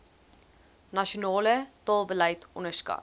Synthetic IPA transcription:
nɑʃunɑːlət̪ɑːlˠbəlæjtɔnəskɑ̰

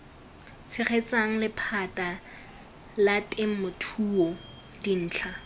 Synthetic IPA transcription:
t͡sʰɪχʰet͡saŋ̩lɪpʰatʼa | latʼɪŋ̩mʊtʰuːɔ | din̩ːt͡ɬʰa

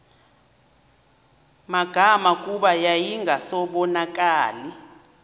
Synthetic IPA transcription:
maɡ̥ʱamak̬ʼuɓajajiŋɡʱasɔɓɔnak̬ʼaːli

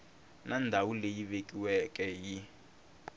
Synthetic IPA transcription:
nandʱawulejiβekʼiwɛkʼɛji

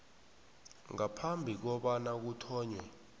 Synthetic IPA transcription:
ŋapʰambʱik̬ɔɓanak̬utʰɔːɲwɛ

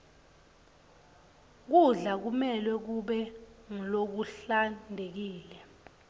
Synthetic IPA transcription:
k̬uɮak̬umɛlwɛk̬uɓɛŋilok̬uɬandʱek̬iːlɛ

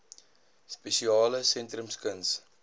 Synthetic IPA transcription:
spesiɑːləsɛntrəmskəns

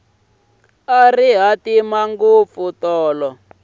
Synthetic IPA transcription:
ariɦatimaŋɡup̪futɔːlɔ

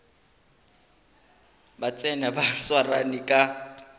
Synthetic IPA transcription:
bat͡sʼɛnabaswaranikʼa

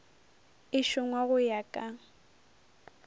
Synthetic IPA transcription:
ɪʃʊŋwaɣʊjakʼa

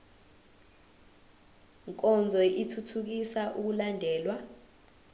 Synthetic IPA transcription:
ŋkʼɔnd͡zʱɔʔitʰutʰuk̬isaʔuk̬ulandʱɛːlwa

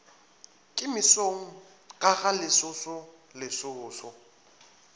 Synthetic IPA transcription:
kʼɪmɪsoŋ̩ | ɣʼaɣalɪsʊsʊ | lɪsʊːsʊ

